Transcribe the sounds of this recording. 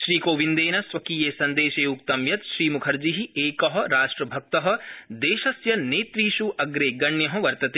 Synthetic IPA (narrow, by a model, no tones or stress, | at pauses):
ʃɾiːkoːʋind̪eːnɐsʋɐkiːjeːsɐnd̪eːʃeːuk̚t̪ɐmjɐt̪ʃɾiːmukʰɐɾd͡ʒiɦieːkɐɦɐ̆ɾaːʃʈɾɐbʱɐk̚t̪ɐɦɐ̆d̪eːʃɐsjɐneːt̪ɾiːʃuʔɐɡɾeːɡɐɳjɐɦɐ̆ʋɐɾt̪ɐt̪e